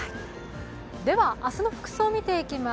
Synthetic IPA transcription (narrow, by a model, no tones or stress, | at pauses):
d̪e̞βaʔasɨno̞ɸɯ̟̥kɯ̟̥soːmʲit̪e̞ikʲima